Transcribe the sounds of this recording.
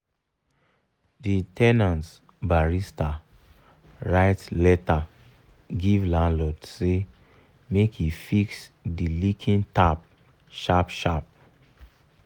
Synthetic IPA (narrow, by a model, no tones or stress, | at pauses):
ditɛnãnt | baɹista | ɹaɪtlɛta | ɡivlãnlɔtse | mekifiksdilikʰĩntap̚ | ʃapʃap̚